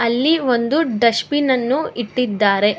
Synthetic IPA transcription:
ɐlːiʋo̞nd̪uɖɐʃpinɐnːuiʈːid̪ːaːɾe̞

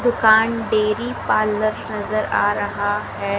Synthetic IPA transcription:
d̪ʊkaːnɖeːɾipaːləɾnɐzəɾa̰ːɾɐɦaɦɛː

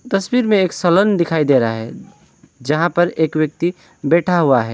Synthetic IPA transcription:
t̪ɐswiɾmẽeːksələnd̪ɪkʰaːid̪eɾaaɦɛ | d͡ʒɐɦãpɐɾeːkʋwjək̚t̪i | bɛːʈʰaɦuaɦɛː

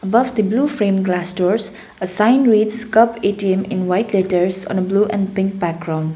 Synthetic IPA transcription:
əbʌvd̪iblufɾẽmɡlastɔɾs | əsãɪ̃nɹidskʌpetiẽmɪ̰̃nwajtleʈəɾsɔ̰̃nəbluʔɛ̃npɪ̃ŋk̚bæk̚ɡɾãw̃nd

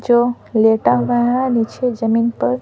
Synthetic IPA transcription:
d͡ʒo | leʈaʋaɽanit͡ʃʰed͡ʒəminpəɾ

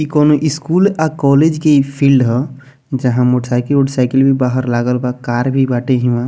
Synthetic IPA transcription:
ikɔːnoʔɪskuːlakɔːled͡ʒkepʰiːlɖɦɛ | d͡ʒəɦãmoːʈəsaɪkəloʈəsaːɪkəlbʱibaːɦəɾlaːɡəlbakaːɾbʱibaːʈeɦiʋã

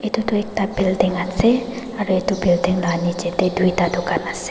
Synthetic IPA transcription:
ʔit̪ud̪uek̚t̪ab̥ild̪eŋase | kaɾoit̪ubild̪eŋlani̥d͡ʒet̪ed̪̥uit̪ad̪okanase̥

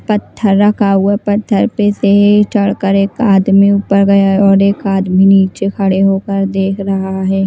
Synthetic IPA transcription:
pɐt̪ʰːəɾːɐkʰauapɐt̪ʰːəɾpeset͡ʃɐɽkəɾeːkaːd̪miʊpəɾɡɐjaɦɛɔːɾeːkaːd̪miniːt͡ʃekʰɐɽeɦoːkəɾd̪eːkʰɾɐɦaaɦɛː

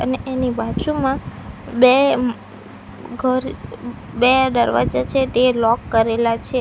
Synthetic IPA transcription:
ə̰neʔenibad͡ʒumãbe | ɡʱəɾ | bed̪əɾʋa̰d͡ʒat͡ʃʰet̪elɔkːəɾelat͡ʃʰe

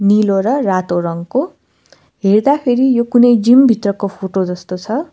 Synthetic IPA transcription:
niloɾʌrat̪oɾʌŋko | ɦerd̪apʰeɾijokunʌjd͡zimbʱit̪rʌkopʰoʈod͡zʌst̪ot͡sʰʌ

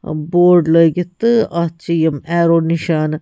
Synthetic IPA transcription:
boːɾɖləjɡit̪ɨɐt͡ʃijɐmɛːɾoːniʃaːn

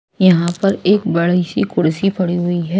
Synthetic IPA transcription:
jɐɦãpɐɾeːk̚bɐɽisikʊɽsipɐɽiɦʊiɦɛː

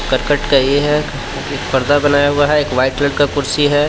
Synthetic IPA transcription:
kɐɾkəʈkajeɦɛ | ekpɐɾd̪abɐnaːjaɦʊaɦɛeːkʋaːɪʈləɖkakʊɾsiɦɛː

